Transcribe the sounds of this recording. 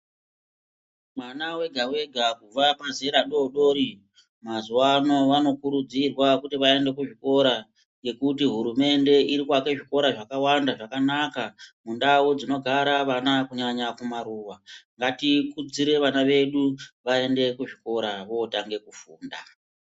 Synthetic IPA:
mwanawe̞ɡʱawe̞ɡʱakub͡vapaze̞ɾaɗo̞ɗo̞ːɾi | mazuwano̞ʋano̞kuɾud͡zirwakutiʋae̞nde̞kuʐiko̞ɾa | ŋɡe̞kutiɦuɾume̞nde̞iɾikwake̞ʐiko̞ɾaʐakawandaʐakanakamundaud͡zino̞ɡʱaɾaʋanakuɲaɲakumaɾuwaŋɡatikud͡ziɾe̞ʋanaʋe̞ɗuʋae̞nde̞kuʐiko̞ɾaʋo̞taŋɡe̞kufuːnda

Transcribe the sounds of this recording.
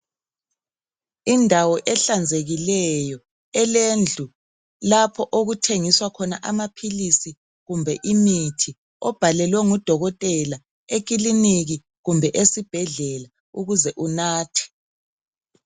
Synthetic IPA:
indʱawɔʔɛɬand͡zʱeɣilɛjɔ | ɛlend͡ɮʱu | lapʰɔʔoɣutʰeŋiswakʰɔna̰ʔamapʰilisi | ɣumbʱɛʔimitʰi | ɔb̥ʱalɛlwɛŋud̥ʱɔɣɔtʼɛla | ek̬iliniɣi | ɣumbʱɛʔesib̥ʱɛɮɛla | uɣuzɛʔunaːtʰi̥

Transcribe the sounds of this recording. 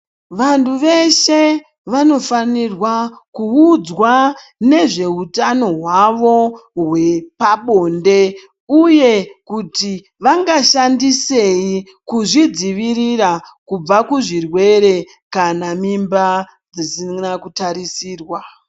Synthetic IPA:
ʋantʰuʋe̞ʃe̞ | ʋano̞fanirwakuud͡zwa | ne̞ʐe̞utano̞ɦwaʋo̞ɦwe̞paɓo̞ːnde̞ | uje̞kuti | ʋaŋɡaʃandise̞i | kuʐid͡ziʋiɾiɾakub͡vakuʐirwe̞ɾe̞ | kanamimba | d͡zisinakutaɾisiːrwa

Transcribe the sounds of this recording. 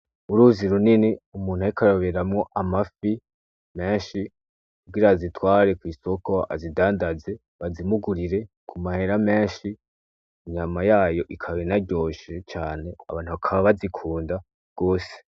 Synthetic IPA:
uɾuːziɾuniniumuːn̥haikaɾoβeɾamŋo̞ʔamafi | me̞ːnʃi | kub̚ɡiɾazitwaːɾe̞kwiːso̞ko̞a̰zidaːndaze̞ | βazimuɡuɾiɾe̞ | kʰumahe̞ɾame̞ːʃi | iɲamajaːjo̞ʔikʰaβinaɟo̞ːʃet͡ʃaːne̞a̰βaːn̥huβakʰaβaβazikʰuːnda | ɡ̥o̞ːse̥

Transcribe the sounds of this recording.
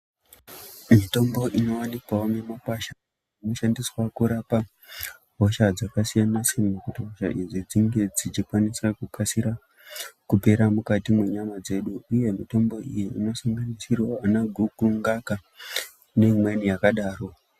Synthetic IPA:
mito̞mbo̞ʔino̞wanikwaome̞makwaʃa | ninoʃandiswakuɾapa | ɦoʃad͡zakasijanasirmokutiɦoʃa̰ʔid͡zid͡ziŋɡe̞d͡zit͡ʃikwanisrakukʰasiɾa | kupe̞ɾamukatimwe̞ɲamad͡ze̞ɗuːje̞mito̞mbo̞ʔijiino̞saŋɡanisirwaanaɡʱuukruŋɡaka | ne̞mwenijakaɗaːro̞

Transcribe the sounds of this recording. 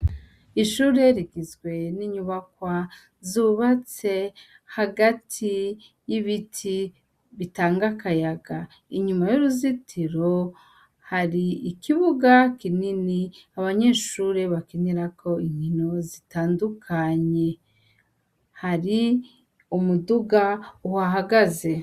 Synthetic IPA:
iʃuɾe̞ɾiɡizɡwe̞niɲuβakwa | zuβat͡se̞ | haɡatʰi | jiβitʰi | βitaːŋɡakajaɡa | iɲumajuɾuzitʰiɾo̞ | haɾiːkiβuɡakininiaβaɲe̞ːʃuɾeβakeniɾakʰo̞iɲino̞zitaːndukʰaɲe̞ | haɾi | umuduɡauhaɦaɡaze̞

